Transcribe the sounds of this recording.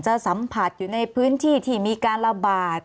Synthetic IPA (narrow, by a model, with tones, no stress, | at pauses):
t͡ɕa˧sa˩˦mpʰa˨˧˩t̪̚juː˨˩na˧jpʰɯː˦˥nt̪ʰiː˥˩t̪ʰiː˥˩miː˧kaː˧nɾa˧baː˨˩t̪̚